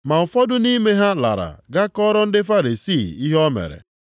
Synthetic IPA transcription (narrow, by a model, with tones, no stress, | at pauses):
ma˨m̩˨fɔ˦dʊ˦ni˦me˦ɦa˦la̰˨ɾa̰˨ɡa˦kɔ˦ɾɔ˦n̩˦dɪ˦fa˦ɾi˨si˦˨i˦ɦɔ˦mḛ˨ɾḛ˨